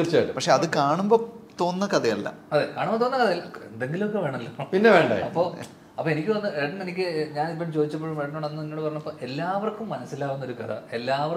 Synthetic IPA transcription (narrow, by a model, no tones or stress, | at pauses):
irt͡ɕːaːjʈːɨpɐkʂe̞ɐðɨkaːɳumbo̞ːt̪o̞ːnːɐkɐd̪ɐjɐlːɐ̰ɐðekaːɳumbot̪oːnːɐkɐðɐjɐlːɐe̞nd̪e̞ŋɡilumok̬ːeʋe̞ːɳɐɐlːopinːeʋeːɳɖa̰ːjɐpːo̞ː | ɐpːoːenikʲːɨʋɐnːɨeɖɐnenikʲːɨɲaːnipːɐt͡ɕoːd̪it͡ɕːɐpːoːɻumeɖɐɳoːɽenːɨniŋːoːɽɨpɐrɐɲːumɐpːoːʔe̞lːaːʋɐrkːumːɐnɐsːilaːʋunːo̞ɾukɐt̪ʰɐ̰e̞lːaːʋɐr